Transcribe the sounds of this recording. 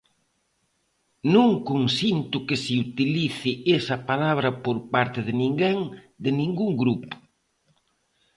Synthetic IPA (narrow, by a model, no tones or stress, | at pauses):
nũŋkunsint̪ʊkɪsɪut̪iliθɪesɐpalaβɾɐpoɾpaɾt̪ɪðɪnĩŋɡeŋ | d̪ɪnĩŋɡuŋɡɾupʊ̥